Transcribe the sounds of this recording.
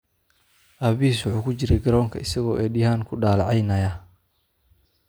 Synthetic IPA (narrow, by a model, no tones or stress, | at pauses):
ʔɐβiiːs̬wʊħuːkʰʊt͡ʃɪɾɛjɡɐɾɔːŋkʰɐɪsɐɣɔːʔɛːɗɪhaːŋkʰʊɖaːlʕɑjnɐjɐ